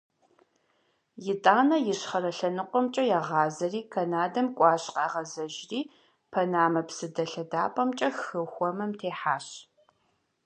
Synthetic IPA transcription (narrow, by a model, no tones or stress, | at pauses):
jɪtʼaːnɐjɪɕχɐɾɐɬɐnɨqʷɔmt͡ʃʼɐjaːʁɑːzɐriːkʰɐnaːdɐmkʷʼɑːɕqɑːʁɐzɐʒriː | pʰɐnaːmɐpsɨdɐɬɐdaːpʼɐmt͡ʃʼɐxɨxʷɔmɐmtʰeːħaːɕ